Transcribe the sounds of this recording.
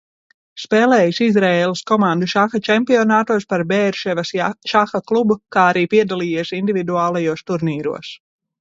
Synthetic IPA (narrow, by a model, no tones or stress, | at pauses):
speːlɛːjisizɾɛeːlˠɐskɔmand̪uʃaxat͡ʃɛmpiɔnaːt̪uɔspaɾbɛːɾʃɛvɐsʃaxaklˠubukaːaɾiːpiɛd̪alˠiːjiɛsind̪ivid̪uaːlˠajuɔst̪uɾniːɾṵɔs